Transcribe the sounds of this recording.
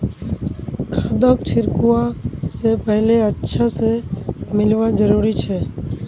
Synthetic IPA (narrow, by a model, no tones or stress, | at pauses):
kʰãːd̪oːk̚t͡ʃʰɪɾkuwasepɛɦleətːʃʰasemɪlʋad͡ʒəɾuːɾit͡ʃʰɛː